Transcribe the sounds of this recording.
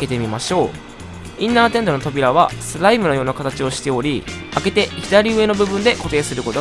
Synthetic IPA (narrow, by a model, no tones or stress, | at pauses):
ke̞t̪e̞mʲimaɕo̞ː | ĩnːaːt̪ẽ̞nd̪o̞no̞t̪o̞bʲiɾaβ̞asɨɾaimɯ̟no̞jo̞ːnakat̪at͡ɕio̞ɕi̥t̪e̞o̞ɾʲi | ake̞t̪e̞çid̪aɾʲiɯe̞no̞bɯ̟bɯ̟̃nd̪e̞ko̞t̪e̞ːsɨɾɯko̞t̪o